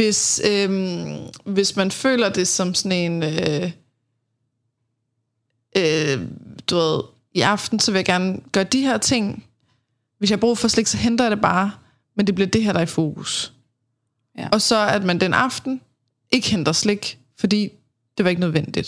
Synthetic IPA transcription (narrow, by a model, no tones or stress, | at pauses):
ʋe̝søm | ʋe̝smænfø̰ːlɐd̥e̝sɒ̽msɒne̝nø | ʔø | d̥uʋeð̞̰ˠ | iʔɑ̈fd̥n̩sɒ̽ʋe̝jɑ̈ɡ̥æɐnɡ̥ɶːɐd̥iɦeɐ̰t͡sʰe̝ŋ̰ | ʋesjɑhb̥ʁṵːfɒsle̝ɡ̥sɒ̽ɦend̥ɐjɑd̥e̝b̥ɑ̈ː | mend̥e̝b̥liɐd̥e̝ɦæɐ̰d̥ɑ̈ifo̝ːɡ̥ʰus | ɒ̽sɒ̽æd̥mænd̥enɑ̈fd̥n̩ | ʔe̝ɡ̥əhend̥ɐsle̝ɡ̥ | fɒ̽d̥ḭː | d̥e̝ʋɑ̈eɡ̥ənøð̞ˠʋen̰d̥id̥